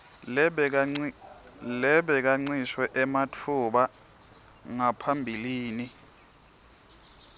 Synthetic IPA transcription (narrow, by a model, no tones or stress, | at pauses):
lɛɓɛk̬aŋ͡ǀiʃwɛʔɛmatʰuɓa | ŋapʰambʱiliːni